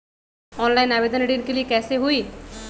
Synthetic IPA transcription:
ɔːnlaːɪnaːbeːd̪ʱəneɖinkeliekɛːseɦʊiː

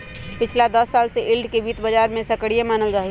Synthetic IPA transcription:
pɪt͡ʃʰlad̪əsːaːlseʔɪlɖkebiːt̪bəd͡ʒaːɾmẽsɐkəɽijemaːnəld͡ʒaːɦi

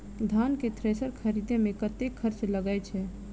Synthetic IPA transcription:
d̪ʱanket̪ʰɾesəɾkʰəɾid̪emekət̪ekʰːəɾt͡ʃləɡəjt͡ʃʰɛ

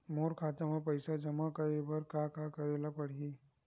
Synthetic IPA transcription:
moːɾkʰaːt̪emapəɪsad͡ʒəmakəɾebəɾkakakəɾelapəɽ̤i

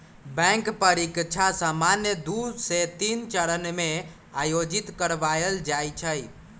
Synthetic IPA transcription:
bɛ̃ŋkpəɾikt͡ʃʰasamanjəd̪uset̪int͡ʃəɾənme | ajod͡ʒit̪kəɾʋajəld͡ʒajt͡ʃʰəj

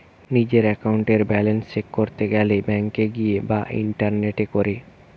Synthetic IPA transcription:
nid͡ʑeɾɛkauɳʈeɾbɛlensekːoɾt̪eɡɛlebɛŋkeɡijebaʔḭɳʈaɾneʈekoɾe

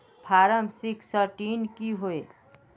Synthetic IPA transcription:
pʰaːɾəmsɪksəɾʈiːnkiɦoe

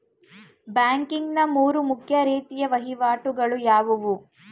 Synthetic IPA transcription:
baːŋkiŋɡnɐmuːɾumukʰjɐɾiːt̪ijɐʋɐɦiʋaːʈuɡɐɭujaːʋuʋu

